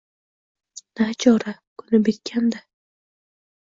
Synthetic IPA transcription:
n̥at͡ʃʰɒɾakʰʊnɪbet̪kʲʰand̪a

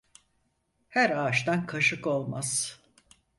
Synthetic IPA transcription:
hæɾaːʃt̪ankʰaʃɯko̞lˠmaz̥

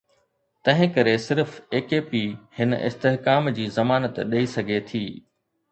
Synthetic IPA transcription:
t̪ɐ̃ɦɪ̃kɐɾesɪɾfeːkeːpihɪnʔɪ̰st̪eɦkaːmd͡ʑiːzɐmaːnət̪ɗɐisɐɡʱet̪ʰiː

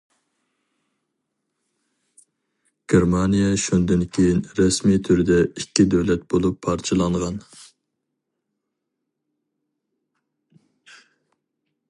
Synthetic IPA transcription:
ɡ̥ʲeɾmɑnijɛʃund̪ɪnkʲʰejinɾɛsmit̪ʰyɾɪd̪ɛikʲːid̪ɛwlɛt̪̚b̥olˠupʰːɑɾt͡ʃʰɨlˠɑɴʁɑn

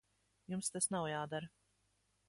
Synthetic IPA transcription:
jumst̪asnawjaːd̪aɾ

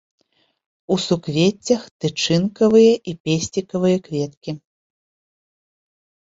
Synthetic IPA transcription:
usukvʲet͡sʲːɐxt̪ɨt͡ʂɨnkɐvɨjɐʔipʲesʲt͡sʲikɐvɨjɐkvʲɛt̪kʲi

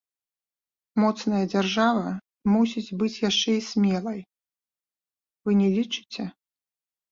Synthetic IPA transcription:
mɔt̪snɐjɐd͡zʲarʐavɐ | musʲit͡sʲbɨt͡sʲjaʂt͡ʂɛisʲmʲɛlˠɐj | vɨnʲɛlʲit͡ʂɨ̥t͡sʲɛ

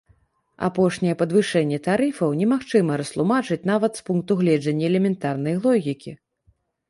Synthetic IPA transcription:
a̰pɔʂnʲɛjɛpɐd̪vɨʂɛnʲːɛt̪aɾɨfɐwnʲɛmaxt͡ʂɨmɐɾɐst̪lˠumat͡ʂɨt͡sʲn̪avɐt̪spunk̚t̪uɣlʲɛd͡ʐɐnʲːɐɛlʲɛmʲɛnt̪arnɐjlˠɔɣʲikʲi

